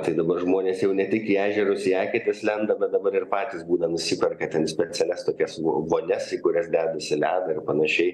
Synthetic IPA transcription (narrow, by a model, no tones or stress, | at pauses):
t̪ɐɪd̪ɐbɐrʒmoːnʲeːsjɛʊnʲɛt̪ʲɪkiæːʒʲɛɾʊsiæːkʲɪt̪ʲɪslʲɛnd̪ɐbʲɛt̪̚d̪ɐbɐɾɪrpɑːt̪ʲɪsbuːd̪ɐnʊsʲiːpʲɛrkɐt̪ʲɛnsʲpʲɛt͡s̪ʲɛlʲɛst̪oːkʲɛsoʋoːnʲɛsikʊɾʲɛsd̪ʲæːd̪ɐsʲɪlʲæːd̪ɐɪrpɐnɐʃʲɛɪ